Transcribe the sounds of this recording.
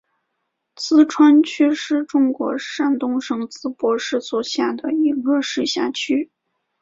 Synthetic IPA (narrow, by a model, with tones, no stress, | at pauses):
t͡sɹ̩˥ʈ͡ʂʰwa˥nt͡ɕʰy˥ʂɻ̩˥˩ʈ͡ʂʊ˥ŋkwɔ̰˧˥ʂa˥˩nt̪ʊ˥ŋʂɤ˥ŋt͡sɹ̩˥pwɔ˧˥ʂɻ̩˥˩swɔ˨˩ɕja˥˩d̪ə˩i˧˥ɡə˥˧ʂɻ̩˥˧ɕja˥˩t͡ɕʰy˥